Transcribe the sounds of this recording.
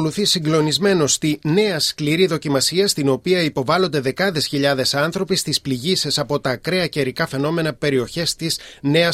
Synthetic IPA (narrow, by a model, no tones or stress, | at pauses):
oluθisiŋɡlo̞nizme̞no̞st̪ine̞ɐskliɾiðo̞cimɐsiɐst̪ino̞piɐipo̞vɐlo̞nd̪e̞ðe̞kɐðe̞sçiʎɐðe̞sɐnθɾo̞pist̪ispliʝise̞sɐpo̞t̪ɐːkɾe̞ɐceɾikɐfe̞no̞me̞nɐpe̞ɾio̞çe̞st̪izne̞ɐ